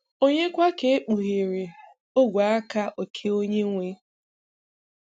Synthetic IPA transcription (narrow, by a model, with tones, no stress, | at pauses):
o˦ɲe˦kʷa˦ke˨e˦k͡pu˨ɣe˨ɾe˨ | o˦ɡʷa˨˦a˦ka˦ʔo˨kʰe˦o˦ɲe˦ŋʷe˦